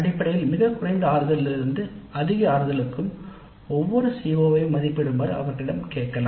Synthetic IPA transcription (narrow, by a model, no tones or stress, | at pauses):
ɐɽɪpːɐɽɐjɪlmɪɣɐkːʊrɐɪnd̪ɐaːɾɯðɐlɪlɪɾɯnd̪ɯɐðɪɣɐaːɾɯɣɐlɯkːɯm | ɔʋːɔɾɯsiːʋoʋɐjmːɐðɪpːɪɽɯmbɐɾɯɐ̰ʋɐɾkːɪɽɐmkeːʈkɐla̰ː